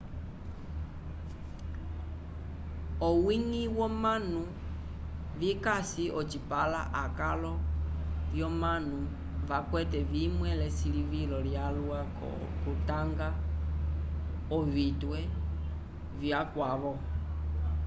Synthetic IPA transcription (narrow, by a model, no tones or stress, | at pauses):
ɔwiŋiwɔmanu | vikasiʔɔt͡ʃipala̰ʔakalɔljɔmanu | vakwɛtɛvimwɛlɛsilivilɔljalua̰ | kutaŋɡa | ɔβitwɛ | vjakwaβɔ